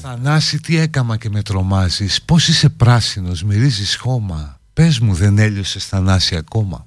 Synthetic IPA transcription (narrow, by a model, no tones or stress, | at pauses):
θɐnɐsit̪ie̞kɐmɐce̞me̞t̪ɾo̞mɐzispo̞sise̞pɾɐsino̞zmiɾizisxo̞mɐ | pe̞zmuðe̞ne̞ʎo̞se̞sθɐnɐsiɐko̞mɐ̰